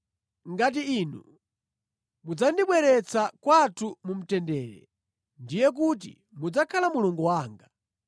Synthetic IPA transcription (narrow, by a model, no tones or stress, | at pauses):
ŋɡat̬iːnu | mud͡zandiɓwɛɾɛt͡sakwatʰumum̩tɛndɛːɾɛ̰ | ndijɛk̬ut̬ḭ | mud͡zakʰalamuluŋɡɔwaːŋɡa